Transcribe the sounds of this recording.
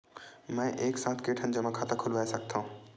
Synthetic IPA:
mɛ̃ʔeːksãːt̪ʰkeʈʰənd͡ʒəmãkʰaːt̪akʰʊlʋaːesək̚t̪ʰaɦũ

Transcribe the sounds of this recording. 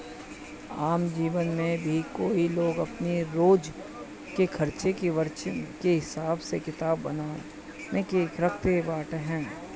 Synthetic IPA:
aːmd͡ʒiːʋənmẽbʱikoːiloːɡɐpneɾoːd͡ʒ | kekʰɐɾt͡ʃekeʋəɾt͡ʃkeɦɪsaːbsekɪt̪aːbːɐnaː | nekeɾɐk̚ʰt̪ebaːʈɦɛ̃ː

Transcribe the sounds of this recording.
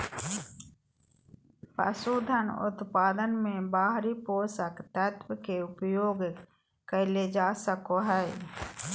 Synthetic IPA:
pə̰suːd̪ʱənʊ̰t̪paːd̪ənmẽbaːɦɾipoːsəkt̪ət̪wəkeʊpjoːɡ | kəled͡ʒaːsəkoɦɛː

